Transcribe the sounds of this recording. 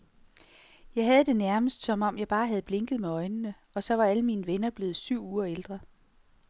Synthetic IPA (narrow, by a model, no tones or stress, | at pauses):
jɑ̈ɪɦɛð̞̩ˠd̥e̝næɐməsd̥sɒ̽mɒ̽mjɑ̈ɪb̥ɑ̈ːɦæð̞̩ˠb̥le̝ŋɡ̥ð̞̩ˠmeɒ̽ɪnənə | ɒ̽sɒ̽ʋɑ̈æləmiːnəʋenɐb̥le̝ːð̞̩ˠsyʊ̰uːɐeld̥ʁɐ